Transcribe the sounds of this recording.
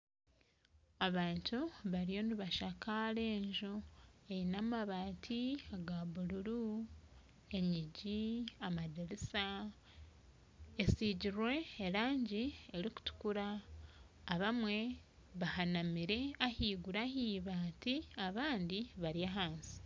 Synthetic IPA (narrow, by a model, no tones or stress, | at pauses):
aβaːntuβaɾijo̞niβaʃakaɾe̞ːɲʒuejinamaβaːtʰiaɡaβuɾuɾu | e̞ɲiɟiamadiɾisa | esiɟiɾwe̞ːɾaːɲɟie̞ɾiku̥tu̥kuɾaː | βamwe̞ | βahanamiɾe̞ahiːɡuɾahiːβaːtiaβaːndiβaɾiaɦaːnsi̥